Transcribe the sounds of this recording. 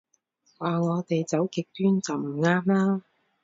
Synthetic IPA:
waː˨ŋɔː˨˧t̪e˨jt͡sɐ˨˥wkɪ˨k̚t̪yː˥nt͡sɐ˨wm̩˨˩ŋaː˥mlaː˥

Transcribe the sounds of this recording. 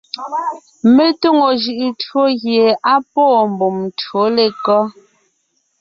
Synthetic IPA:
me˦to˦ŋo˨ʒɯ˨ʔɯ˨two˦ɣje˨a˦pɔː˦˨m˨bo˨mtwo˨˦le˨kɔ˦

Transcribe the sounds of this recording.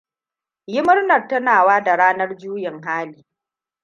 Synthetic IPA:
jɪ˦mʊ˦rnɐ˨rtɐ˦naː˨waː˦da˨ɽaː˦nɐ˦rd͡ʒuː˦jɪ˨ŋɦaː˦liː˦

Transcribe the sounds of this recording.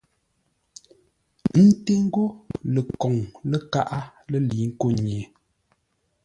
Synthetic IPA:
n̩˦te˦ŋ̩˦ɡo˦lə˨kɔ˨ŋlə˦ka˦ʔa˦lə˦˨liː˨˦ŋ̩˦ko˦˨ɲ˨e˨

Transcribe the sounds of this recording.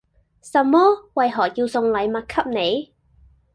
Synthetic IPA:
sɐ˨˩mːɔː˥wɐ˨jɦɔː˨˩kjiː˧wsʊ˧ŋlɐ˨˥jmɐ˨t̚kʰɐ˥p̚ne˨˧j

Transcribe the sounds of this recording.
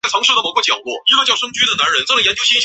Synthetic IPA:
ɪt͡sʰɑ˧˥ŋʂɻ̩˥˩d̪ə˩mo˨˩kwt͡ɕjɑ˨˩ŋkwɔ̰˥˩ʈ͡ʂ̩˥ft͡ɕjɑ˥˩ʊʂɤ˥ŋt͡ɕy˥d̪ə˨na˧˥nɻə˧˥nt͡sa˥˩lə˩jɛ˧˥nt͡ɕjo˥ʊɕɛ˥˩

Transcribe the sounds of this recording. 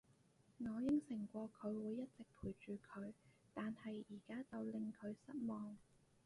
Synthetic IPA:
ŋɔː˨˧jɪ˥ŋsɪ˨˩ŋkʷɔː˧kʰɵ˨˧ɥwuː˨˧jːɐ˥t̚t͡sɪ˨k̚pʰuː˨˩jt͡ʃyː˨˩kʰɵ˨˧ɥ | t̪aː˨nhɐ˨jiː˨˩kaː˥t͡sɐ˨wlɪ˨ŋkʰɵ˨˧ɥsɐ˥t̚mɔː˨ŋ

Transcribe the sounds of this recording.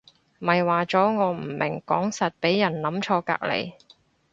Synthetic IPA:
mɐ˨jwaː˨t͡sɔː˨˥ŋɔː˨˧m̩˨˩mɪ˨˩ŋkɔ̰ː˨˥ŋsɐ˨t̚pe˨˥jːɐ˨˩nlɐ˨˥mt͡ʃʰɔː˧ka̰ː˧k̚lḛ˨˩j

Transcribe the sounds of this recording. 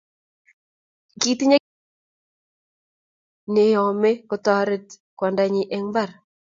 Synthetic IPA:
ki˦t̪i˦ɲe˦ | ne˨˦jɔ˨me˦kʊ˨t̪ɔ˦ɾɪ˦t | kwa˨nda˨ɲi˨ʔɛ˦ŋba˦˨ɾ

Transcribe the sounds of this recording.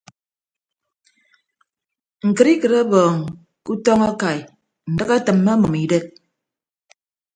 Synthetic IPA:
ŋ̩˨kɨ˨ɾi˦kɨ˨ɾe˦bɔː˨ŋ | ku˦tɔ˦ŋa˦ka˨j | n̩˨dɨ˦ka˦tɨ˨mːa˦mɔ˨mi˨de˦k̚

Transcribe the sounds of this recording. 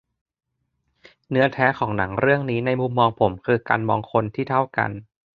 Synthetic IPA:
nɯ˦˥ɐt̪ʰɛː˦˥kʰɔː˩˦ŋna˩˦ŋɾɯ˥˩əŋniː˦˥na˧jmu˧mːɔː˧ŋpʰo˩˦mkʰɯː˧ka̰ː˧nmɔː˧ŋkʰo˧nt̪ʰiː˥˩t̪ʰa˥˩wka̰˧n

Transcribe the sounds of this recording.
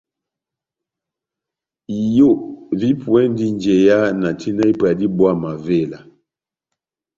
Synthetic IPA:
i˨jo˦˨ʔvi˦pwɛ˦n˦di˦nd͡ʒɛ˨ja˦na˨tʰi˦na˦i˦pa˨di˦bwa˦˨ma˨ve˦˨la˨

